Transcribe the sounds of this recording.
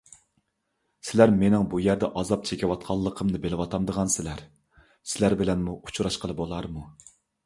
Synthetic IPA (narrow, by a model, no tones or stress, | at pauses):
sɪlæɾmenɪŋbujæɾd̪ɛʔɑzɑp̚t͡ʃʰekʲɪwɑt̪̚qʰɑlˠːəqʰəmnɨbelɪwɑt̪ʰɑmd̪əʁɑnsɪlæɾ | sɪlæɾbɪlɛnmuʔu̥t͡ʃʰuɾɑʃqʰəlˠɨbolˠɑɾmu